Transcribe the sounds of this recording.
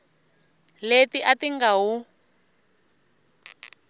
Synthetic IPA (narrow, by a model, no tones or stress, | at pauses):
letiʔatiŋɡaɦu